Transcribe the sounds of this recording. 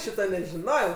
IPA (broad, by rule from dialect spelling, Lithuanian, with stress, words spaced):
ˈʃʲiːtɐ nʲɛʒʲɪˈnoːjɛʊ